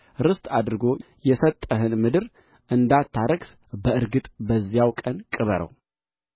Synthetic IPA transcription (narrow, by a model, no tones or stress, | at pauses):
ɾɨst̪ʼad̪ɾɨɡo̞ | jɛsət̪ʼːəɦɨnmɨd̪ɨɾ | ʔɨnd̪at̪ʰːaɾəɡs | bəɨɾɡɨt̪ʼbəzːijawkʼənkʼɨβəɾə̰w